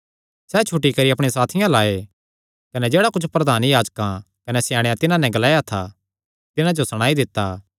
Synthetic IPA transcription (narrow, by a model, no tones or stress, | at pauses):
sɛːt͡ʃʰʊʈːikɐɾiɐpɽ̃esaːt̪ʰɪjãlaːe | kɐnɛd͡ʒeːɽakʊt͡ʃʰpɾɐd̪ʱaːnjaːd͡ʒkã | kɐnɛsjãːɽ̃ejat̪ɪnãnɛ̃ɡɐlaːjat̪ʰa̰ | t̪ɪnãd͡ʒosɐɽ̃aːid̪ɪt̪ːaː